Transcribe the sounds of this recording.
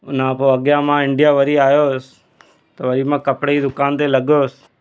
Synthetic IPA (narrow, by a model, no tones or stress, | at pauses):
ʊnãpoɐɠjãmãɪ̃ɳɖijaʋɐɾiaːjosɪ̥ | t̪ɐʋɐɾimãkɐpɽeid̪ʊkaːnt̪elɐɠjoːsɪ̥